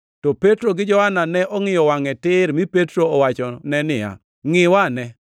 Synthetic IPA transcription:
tɔpetɾoɡɪd͡ʒɔhananɛʔɔŋɪjɔwaŋɛtɪɾmɪpetɾoːwat͡ʃɔnɛnɪja̰ | ŋɪwanɛ

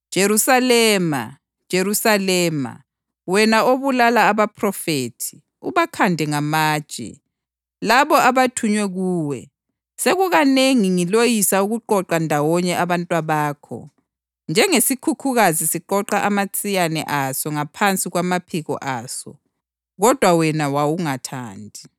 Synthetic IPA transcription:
d̥ʒ̥ʱeɾusalɛːma̰ | d̥ʒ̥ʱeɾusalɛːma̰ | wɛnaoβulalaːβapʰrɔfeːtʰi̥ | uβakʰandʱɛŋamḁːt͡ʃʼɛ̰ | laβɔʔaβatʰuɲwɛɣuːwɛ̰ | seɣuɣaneŋiŋilojisauɣuǃɔǃandʱawɔɲɛʔaβantʼwaβaːkʰɔ̰ | nd͡ʒʱɛŋesikʰukʰuɣazisiǃɔǃaʔamat͡sʼijanɛ̰ʔasɔŋapʰant͡sʼiɣwamapʰiɣɔ̰ʔaːsɔ̰ | ɣɔd̥ʱwawɛnawawuŋatʰa̰ːndʱi

